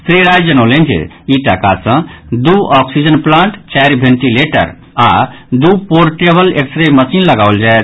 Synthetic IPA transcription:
sɾeɾajd͡ʒənolent͡ʃʰḭ | iʈakasə̃d̪uɔksid͡ʒənplãɳʈt͡ʃajɾbʱẽnʈileʈə̰ɾ | a̰d̪upoɾʈebəleksɾeməsinləɡaʊld͡ʒaet̪

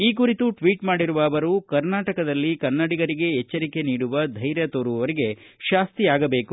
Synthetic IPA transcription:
iːk̬uɾit̪uʈʋiːʈmaːɽiɾuʋɐːʋɐɾukɐɾnaːʈɐkɐd̪ɐlːikɐɾnɐɽiɡɐɾiɡe̞ɛt͡ʃːɐɾike̞niːɽuʋɐd̪ʱɐjɾjɐt̪oːɾuʋɐɾiɡe̞ | ʃaːst̪iaːɡɐbeːku

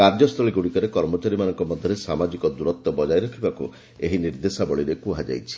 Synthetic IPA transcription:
kaɾd͡ʒɔst̪ʰɔɭiɡuɽikɔɾekɔɾmɔt͡ʃaɾimanɔŋkɔmɔd̪ʱjɔɾesamad͡ʒikɔd̪uɾɔt̪ːɔbɔd͡ʒajɾɔkʰibakṵ | eɦiniɾd̪esabɔɭiɾekuɦad͡ʒa̰jt͡ʃʰi̥

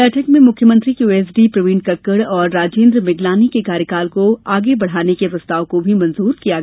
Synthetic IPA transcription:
ɛːʈʰəkmẽmʊkʰjəmɐ̃nt̪ɾijuːeːs̬ɖipɾɐʋĩːɳɖkɐkːəɽɔːɾːaːd͡ʒeːnd̪ɾmɪɡlaːnikekaːɾjəkaːlkoaːɡebɐɽ̤aːnekepɾɐst̪aːokobʱimɐ̃nzuːɾkijaɡɛ

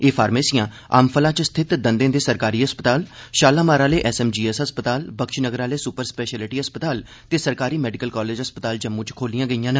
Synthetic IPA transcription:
eːpʰaːɾmeːsɪjãː | a̰ːmpʰəlãːt͡ʃst̪ʰɪt̪d̪ənd̪ẽːd̪eːsəɾkaːɾiːɦəspət̪aːlʃaːlaːmaːɾaːleːʔɛːsɛːmd͡ʒiːɛːsɦəspət̪aːlbəkʃnəɡəɾaːleːsʊpəɾspɛːʃɛːlɪʈiːɦəspət̪aːl | t̪eːsəɾkaːɾiːmɛːɖɪkəlkaːleːd͡ʒɦəspət̪aːld͡ʒəmːũːt͡ʃkʰoːlijãːɡəijãːnə

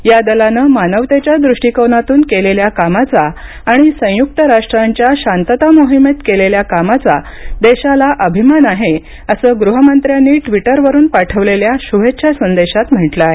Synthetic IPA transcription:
jad̪əlanəmanəʋt̪et͡ɕjad̪ɾuʂʈikəwnat̪uːnkeleljakamat͡sa | aɽ̃isə̃juk̚t̪əɾaʂʈɾaɲt͡ɕjaɕant̪ət̪amoɦimet̪keleljakamat͡sa | d̪eɕalaʔəbʱimanaɦe | əsəːɡɾuɦəmənt̪ɾjanːiːʈʋiʈəɾʋəɾuːnpaʈʰəʋleljaɕuɦetːɕʰasənd̪eɕat̪m̤əʈlae

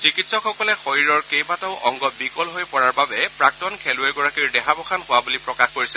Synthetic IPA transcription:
sikitsɔkʰɔkɔlɛxojiɹɔɹkejbatɔʊʔɔŋɡɔbikɔlɦojpɔɹaɹbabɛpɹak̚tɔnkʰelʊɛɡɔɹakiɹdɛɦabɔxʰanhʊwabulipɹɔkaxkoɹisɛ

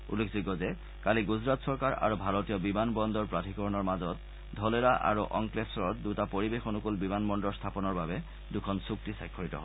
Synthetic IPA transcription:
ulːekʰziɡɔzɛ | kaliɡuzɹatsɔɹkaɹa̰ɹubʱaɹotijɔbimanbɔndɔɹpɹatʰikɔɹɔnɔɹmazɔt | dʱɔleɹaʔa̰ɹuʔɔ̰ŋklesɔɹɔt̚dutapoɹibexonukulbimanmɔndɔɹstʰapɔnɔɹbabɛ | dukʰɔnsuk̚tisajkʰːɔɹitɔ̰ɦɔ

